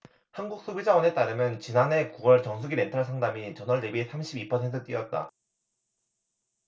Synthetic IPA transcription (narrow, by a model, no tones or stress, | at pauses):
hanɡuk̚s͈obid͡ʑawʌne̞t͈aɾɯmjʌnt͡ɕinane̞kuɡʌɭt͡ɕʌŋs̬ʰuɡiɾe̞ntʰaɭs̬ʰaŋdamit͡ɕʌnʌɭde̞bisʰamɕʰibipʰʌsʰentʰɯkt͈iʌt̚t͈a̰